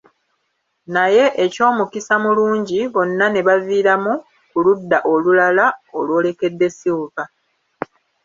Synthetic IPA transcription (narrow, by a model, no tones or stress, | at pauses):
naje̞ʔeco̞ːmukisamuluːɲɟiβo̞nːane̞βaviːɾamu | kuludːaʔo̞lulalao̞lwo̞ːle̞ke̞dːe̞siuka